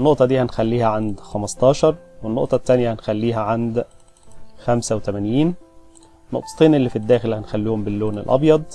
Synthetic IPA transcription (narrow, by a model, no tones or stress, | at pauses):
nːoʔt̪ˤɑd̪iːhænxælːiːhæʕand̪xæmɑst̪ˤɑːʃɑɾˤwenːo̰ʔt̪ˤɑt̪ːænjæhænxælːiːɦæʕand̪ | xæmsæwt̪æmænjiːn | nːoʔt̪ˤɑ̥t̪ˤeːnʔelːiːfid̪ːæːxelhænxælːuːhombɪlːoːnelʔɑ̰bjɑd̪ˤ